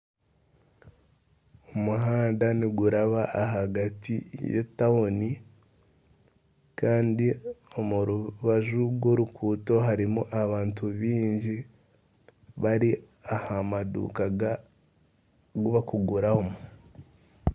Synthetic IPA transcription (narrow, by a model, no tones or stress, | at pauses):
omuɦaːndaniɡuɾaβaʔːɦaɡatḭjḛtaoni | kaːndio̞muɾuβaʒuɡwo̞ɾukʰuːto̞ɦaɾimuʔaβaːntuβiːɲɟi | βaɾi | ahamadṵkaɡa | ɡuβakuɡuɾahomu